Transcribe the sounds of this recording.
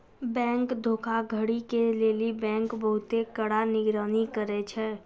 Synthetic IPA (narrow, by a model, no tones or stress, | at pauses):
bɛ̃ːŋkd̪ʱoːkʰaɡʱəɽikeleːlibɛ̃ːŋkbəɦʊt̪ekəɽanɪɡɾaːnikəɾɛt͡ʃʰɛː